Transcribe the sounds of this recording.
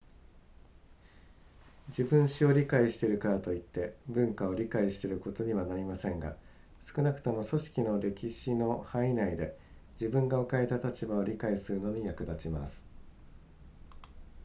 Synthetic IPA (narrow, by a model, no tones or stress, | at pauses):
d͡ʑibɯ̟̃ɰ̃ɕio̞ɾʲikaiɕi̥t̪e̞ɾɯ̟kaɾat̪o̞it̪ːe̞bɯ̟̃ŋkao̞ɾʲikaiɕi̥t̪e̞ɾɯ̟ko̞t̪o̞ɲ̟iβanaɾʲimasẽ̞ŋɡa̰ | sɨ̥kɯ̟nakɯ̟̥t̪o̞mo̞so̞ɕi̥kʲino̞ɾe̞kʲiɕino̞hainaid̪e̞ | d͡ʑibɯ̟̃ŋɡaokae̞t̪at̪at͡ɕibao̞ɾʲikaisɨɾɯ̟no̞ɲ̟ijakɯ̟d̪at͡ɕima̰sɨ̥